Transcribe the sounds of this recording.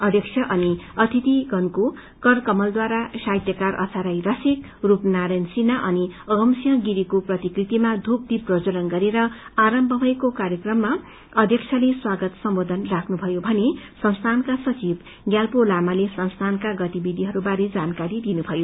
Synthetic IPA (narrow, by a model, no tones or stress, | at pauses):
ʌd̪ʱjʌksʰʌʔʌniʌt̪ʰit̪iɡʌnko | kʌrkʌmʌld̪waɾaʃajt̪jʌkarʔʌ̰t͡sʰaɾajrʌsik | rupnaɾʌjnsinaʔʌniʌɡʌmsijʌɡiɾikoprʌt̪ikrit̪imad̪ʱup̚d̪iprʌd͡zʌlʌnɡʌɾeɾʌaɾʌmbʱʌbʱʌjkokaɾjʌkrʌmːa | ʌd̪ʱjʌk̚t͡sʰʌleswaɡʌt̪sʌmbod̪ʱʌnrakʰnubʱʌjobʱʌnesʌnst̪ʰankasʌt͡sib | ɡjalpolamalesʌnst̪ʰankaɡʌt̪ibid̪ʱiɦʌɾubaɾed͡zankaɾid̪inubʱʌjo